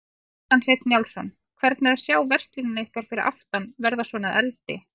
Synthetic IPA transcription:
anset̪njawlsɔnː | kʰvɛɾt̪̚naɾasjaːwvɛr̥st̪linɪnehkaɾ̥fɪɾɪɾʔa̰ft̪anvɛɾðasvɔːnaðɛlt̪ɪ̰

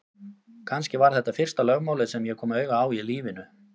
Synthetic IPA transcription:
kʰanscɪvaɾ̥θɛt̪ːafɪr̥st̪alœɣmawlɪðsɛmjɛkʰɔːmœːɥɣaaːwiliːvɪnʏ

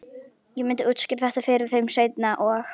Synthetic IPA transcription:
jɛmɪnt̪ɪut̪scɪɾθɛht̪afɪɾɪɾ̥θejmseːjt̪naʔɔx

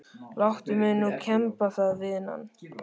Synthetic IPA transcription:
lawht̪ʏmɪðnːucʰɛmpaθaðvɪðna̰nː

